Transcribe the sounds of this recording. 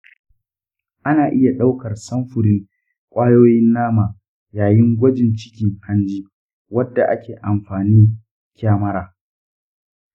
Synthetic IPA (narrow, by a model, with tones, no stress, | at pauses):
ʔa˦naː˨ʔɪ˦ja˨ɗa˦wkɐ˨rsɐ˦mɸʊ˨ɽɪ˦ŋ | kʷʼaː˦joː˦jɪ˦nːaː˦maː˨ | jaː˨jɪ˦ŋɡʷɐ˦d͡ʒɪ˨nt͡ʃɪ̥˦kʲɪ˦ŋha˦nd͡ʒiː˦ | wɐ˦dːa˨ʔa˦kʲʰeː˨ʔa˨mɸaː˨niː˦ | kʲaː˦mɐ˦ɾaː˨